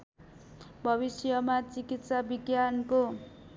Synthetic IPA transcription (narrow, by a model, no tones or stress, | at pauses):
bʱʌβisjʌmat͡sikit̪sabiɡjanko